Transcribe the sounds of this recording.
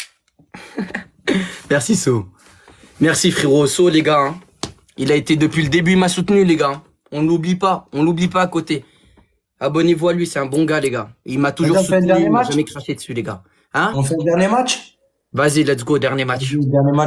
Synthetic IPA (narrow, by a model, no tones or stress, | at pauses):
mɛʁsiso | mɛʁsifχiʁosoleɡaɛ̃ | ilaet̪ed̪əpɥiləd̪ebyimasut̪nyleɡaɛ̃ | ɔ̃lublipaɔ̃lublipaːkot̪e | abɔnevualɥisɛɛ̃bɔ̃ɡaleɡailmat̪uʒuʁsuɛd̪at͡ʃʒamɛkχaʃed̪əsyleɡa | ɛ̃ɔ̃fɛd̪ɛʁnemat͡ʃ | vazilad̪ɡod̪ɛʁnjemat͡ʃd̪ɛʁema